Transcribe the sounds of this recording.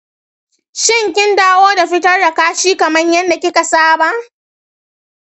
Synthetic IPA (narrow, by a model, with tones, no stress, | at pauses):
ʃɪ˦ŋkʲɪ˦ndaː˦woː˦da˨ɸɪ˦tɐ˦rda˨kaː˦ʃiː˦kɐ˨mɐ˦ɲjɐ˦nda˨kʲɪ˦ka˨saː˦ba˦ʔ